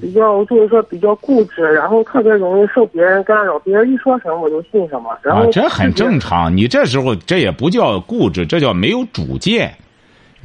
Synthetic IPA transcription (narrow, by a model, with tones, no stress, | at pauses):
pi˨˩t͡ɕjɑ˥˧ʊt͡swɔ˥˩˧ʂwɔ˥pi˨˩t͡ɕjɑ˥˧ʊku˥˩ʈ͡ʂɻ̩˥˩ɻa˧˥nxo˥˧ʊt̪ʰɤ˥˩pjɛ˧˥ɻʊ˧˥ŋi˥˧ʂo˥˩ʊpjɛ˧˥ɻə˧˥nkn˥ɻɑ˨˩ʊpjɛ˧˥ɻə˧˥ni˥˩ʂwɔ˥ʂə˧˥mə˧wɔ˨˩t͡ɕjo˥˧ʊɕi˥˩nʂə˧˥ŋmɐ̰˧ɻa˧˥nxo˧˩˧ʈ͡ʂə˥xə̰˨˩nʈ͡ʂɤ˥˩ŋʈ͡ʂʰɑ̰˧˥ŋni˨˩ʈ͡ʂɤ˥˩ʂ̬ɻ̩˧˥xo˧ʊʈ͡ʂɤ˥˩jɛ˨˩pu˧˥t͡ɕjɑ˥˧ʊku˥˩ʈ͡ʂɻ̩˧˩ʈ͡ʂɤ˥˧t͡ɕjɑ˥˩ʊme˧˥ɪjo˧˥ʊʈ͡ʂṵ˨˩t͡ɕjɛ˥˩n